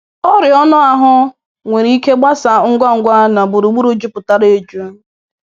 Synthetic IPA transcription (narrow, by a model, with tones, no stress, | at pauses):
ɔ˦ɾɪ˨ɔ˦nʊ˦a˨ɦʊ˦ | ŋʷe˨ɾi˦i˦ke˦ɡ͡ba˦sa˨ŋ̩˦ɡʷa˦ŋ̩˨ɡʷa˦na˨bu˨ɾu˨ɡ͡bu˦ɾu˦d͡ʒu˦pʊ˨ta˦ɾe˨d͡ʒu˦